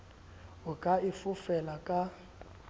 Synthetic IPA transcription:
ʊkʼaifʊfɛlakʼa

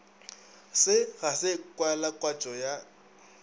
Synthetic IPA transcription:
sɪɣasɪkʼwaɛlakʼwat͡ʃʼɔja

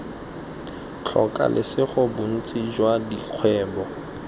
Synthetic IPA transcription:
t͡ɬʰɔ̰kʼa̰lʔɪsɪχʊbʊn̩t͡sʼid͡ʒwadiq͡χʰwɛːbɔ

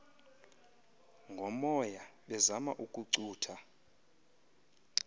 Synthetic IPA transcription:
ŋɡʱɔmɔjaɓɛzama̰ʔukʼuǀuːtʰa

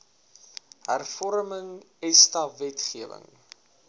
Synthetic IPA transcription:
ɦærfɔɾməŋɛstɐvɛtχiəvə̰ŋ

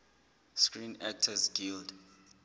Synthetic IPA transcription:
skɹinɛk̚tʰəzɡild

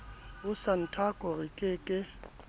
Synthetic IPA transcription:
ʊsan̩tʰakʼɔrɪkʼɪkʼɪ

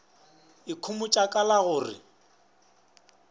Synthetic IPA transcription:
ɪkʰʊmʊt͡ʃʼakʼalaɣʊːrɪ̰

